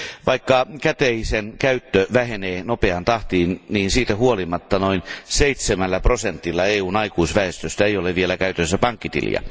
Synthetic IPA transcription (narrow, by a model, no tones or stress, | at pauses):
ʋɑikːɑkæt̪eisenkæyt̪ːøʋæheneːnopeɑnt̪ɑht̪iːnniːnsiːt̪æhuolimɑt̪ːɑnoinseit̪semælːæprosent̪ːilːɑeːuːnɑikuisʋæest̪øst̪æeijoleʋielækæyt̪øsːæpɑŋkːit̪ḭljɑ̰